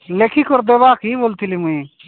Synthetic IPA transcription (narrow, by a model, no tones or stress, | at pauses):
lekʰikʰoɾd̪ebaːkʰiːbolt̪ʰilimui